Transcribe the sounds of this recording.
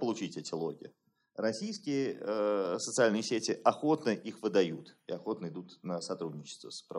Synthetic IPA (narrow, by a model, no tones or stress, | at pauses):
pəlˠʊt͡ɕitʲɛtʲɪlˠo̞ɡʲɪ̰ | rɐsʲijskʲɪjəəsət̪sɨalʲnɨjɪsʲetʲɪʔɐxo̞t̪nəʔixvɨd̪ɐjut̪ɪɐxo̞t̪nəɪd̪ut̪nəsɐt̪ɾudʲnʲɪt͡ɕɪ̥st̪və̰spɾ